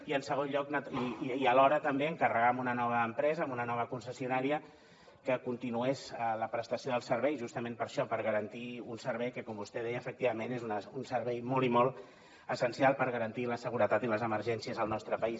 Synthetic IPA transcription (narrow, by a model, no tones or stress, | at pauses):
iənsəɣ̞onʎɔknətiiəlɔɾət̪əmbeəŋkərəɣamunənɔβ̞əːmpɾɛzəːmunənɔβ̞əkunsəsiunaɾiə | kəkunt̪inuɛzələpɾəst̪əsioðəlˠsəɾβɛjʒust̪əmempəɾʃɔpəɾɣəɾənt̪iunsəɾβ̞ɛjkəkɔmbust̪ɛð̞ɛjəːfək̚t̪iβəmenezunəunsəɾβɛjmɔlˠimɔlˠ | əsənsialˠpəɾɣəɾənt̪iləsəɣuɾət̪at̪iləzəməɾʒɛnsiəzəlˠnɔst̪ɾəpəis